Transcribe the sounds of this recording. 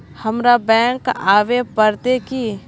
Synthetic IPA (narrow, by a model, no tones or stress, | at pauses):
hɐmɾabɛ̃ːŋkaːʋepəɾt̪eki